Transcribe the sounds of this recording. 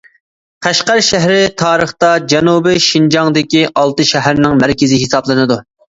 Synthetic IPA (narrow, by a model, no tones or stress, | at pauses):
qʰæʃqæɾʃæɦɾɪt̪ʰɑːɾəχt̪ɑd͡ʒɛnubɪʃind͡ʒɑŋd̪ɪkʲiʔɑlˠt̪ɨʃɛɦæɾnɪŋmæɾkʲɪzɪɦesɑblˠɨnɨd̪u